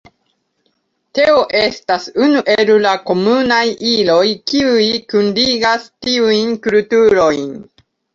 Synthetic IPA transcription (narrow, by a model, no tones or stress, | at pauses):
te̞o̞ʔe̞stasunuʔeɾulako̞munajilo̞jkiujkundiɡastiujnkultuɾo̞jn